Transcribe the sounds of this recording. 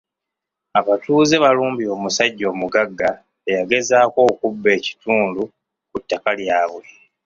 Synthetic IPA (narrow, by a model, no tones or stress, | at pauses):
aβatuːze̞βaluːmbio̞ːmusaɟːo̞ːmuɡaɡːa | ejaɡe̞zaːko̞ːkubːe̞ːci̥tʰuːndu | kutːakaljaːβwe̞